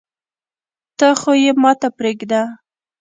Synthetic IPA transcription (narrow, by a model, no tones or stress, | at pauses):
t̪əxojemɑt̪apɾeɡd̪a